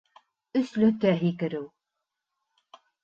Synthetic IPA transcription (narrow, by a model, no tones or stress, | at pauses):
ɵ̆slɵt̪æɦikɘ̆ɾɘw